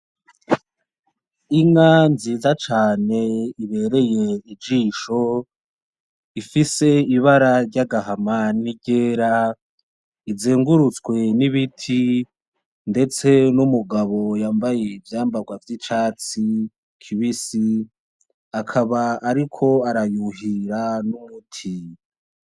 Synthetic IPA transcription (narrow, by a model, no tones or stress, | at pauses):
iŋanziːzat͡ʃaːne̞iβe̞ːɾe̞je̞id͡ʒiːʃo̞ | ifise̞iβaɾaɾɟaɡaɦamaniɟe̞ːɾa | izeːŋɡuɾut͡skwe̞niβitʰi | nde̞t͡se̞numuɡaβo̞jaːmbaje̞ivjaːmbaɡwavjit͡ʃaːt͡si | kʰiβisi | akʰaβaːɾikʰo̞aɾajuɦiɾanumutʰi